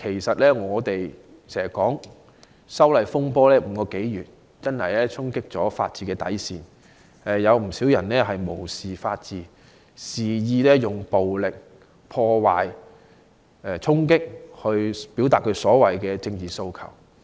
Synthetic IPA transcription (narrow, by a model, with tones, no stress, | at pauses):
kʰe˨˩jsɐ˨t̚lɛː˥ŋɔː˨˧t̪e˨j | sɛː˨˩kɔː˨˥ŋ | sɐ˥wlɐ˨˩jfʊ˥ŋpɔː˥lɛː˥m̩˨˧˥kɔː˧ke˨˥jjyː˨˩t̚ | t͡sɐ˥nhɐ̰˨jlɛː˥t͡sʰʊ˥ŋkɪ˥k̚t͡sɔː˨˥fa̰ː˧t̚t͡siː˨kɛː˧t̪ɐ̰˨˥jsiː˨n | ɛ˨jɐ˨˧wm̩˨˩si˨˥wjɐ˨˩nlɛː˥ɦɐ˨jmo˨˩wsiː˨faː˧t̚t͡siː˨ | siː˨˩jiː˧lɛː˥jʊ˨˩ŋpo˨wlɪ˨k̚ | pʰɔː˧waː˨j | ɛː˧t͡sʰʊ˥ŋkɪ˥k̚hɵ˧ɥpiː˨˥wt̪aː˨t̚kʰɵ˨˧ɥsɔː˨˥wɐ˨˩jkɛː˧t͡sɪ˧ŋt͡siː˨so˧wkʰɐ̰˨˩w